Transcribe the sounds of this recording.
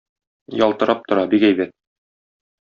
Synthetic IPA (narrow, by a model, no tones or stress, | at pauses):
jɒlˠt̪ɤ̆ɾɑp̚t̪ŏɾɑbikæjbæt̪̚